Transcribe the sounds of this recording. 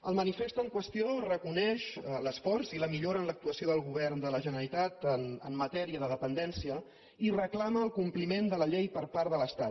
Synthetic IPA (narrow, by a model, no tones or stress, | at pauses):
əlˠmənifest̪əŋkwəst̪iorəkunɛʃləsfɔrziləmiʎoɾənlək̚t̪uəsioðəlˠɣ̞uβɛrnd̪ələʒənəɾit̪at̪ənəmːət̪ɛɾiəðəðəpənd̪ɛnsiə | irəklaməːlˠkumplimend̪ələʎejpəɾpaɾðələst̪at̪